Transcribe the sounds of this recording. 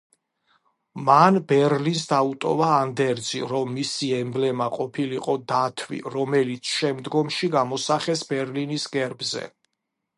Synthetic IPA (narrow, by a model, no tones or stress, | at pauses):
manbɛɾlins̬d̪aut̪ʼɔvaːnd̪ɛɾd̪ziɾɔmːisiɛmblɛmaqʼɔpʰiliqʼɔd̪at̪ʰvḭɾɔmɛlit̪sʰʃɛmd̪ɡɔmʃiɡamɔsaχɛsbɛɾlinisɡɛɾbzɛ̰